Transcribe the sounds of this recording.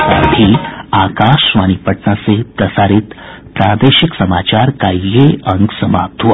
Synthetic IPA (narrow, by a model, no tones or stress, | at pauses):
a̰bʱiakaʃʋañipəʈnasepɾɐsaɾit̪ | pɾad̪eɕiksəmat͡ɕaɾkajːeəŋɡsəmap̚t̪ʰu